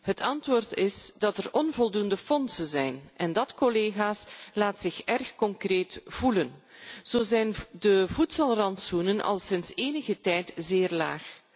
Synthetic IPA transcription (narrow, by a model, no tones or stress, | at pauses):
ɦətɑntʋoːrtɪsdɑtərɔnvɔlˠdundəfɔnsənzɛjnʔɛndɑtkɔleːɣaːslaːtsɪxɛrxkɔŋkreːtv̥ulənz̥oːzɛjndəvutsɑlˠrɑntsunənɑ̰lˠsɪnseːnəɣətɛjtzeːrla̰ːx